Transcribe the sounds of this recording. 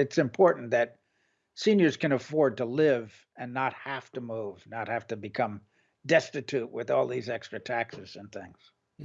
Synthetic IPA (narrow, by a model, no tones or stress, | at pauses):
ɨtsɨ̃mpʰɔɹʔn̩ðɨt̚ | sĩnjə˞z̥kɨ̃ñəfɔɹd̚təlɪv | ɨ̃nːət̚hæftəmuvnət̚hæftɨbɨkʰʌ̃m | dɛstɨtʰʉt̚wɪðɔlˠðizɛkstɹ̥ɨtʰæksɨz̥ɨ̃nθɪ̃ŋz̥